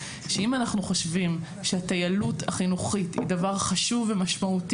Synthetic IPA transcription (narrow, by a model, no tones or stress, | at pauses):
ʃeimanaχnuχo̞ʃvim | ʃehatajalutaχinuχithḭdavaʁχaʃuvemaʃmaut